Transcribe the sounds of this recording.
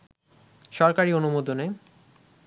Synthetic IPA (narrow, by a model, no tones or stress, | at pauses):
ʃɔɾkaɾionumod̪ʱone